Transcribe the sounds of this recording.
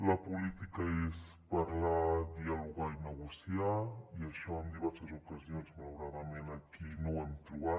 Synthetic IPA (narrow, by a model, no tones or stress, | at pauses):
ləpulit̪ikəes | pəɾlad̪iəluɣainəɣusiaiəʃɔond̪iβɛɾsəzukəzionzməlawɾaðəmenəkinoamt̪ɾuβa